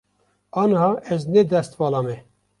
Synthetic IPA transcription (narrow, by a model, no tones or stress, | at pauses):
ɑːnhɑːʔɛznɛd̪ɛst̪vɑːlɑːmɛ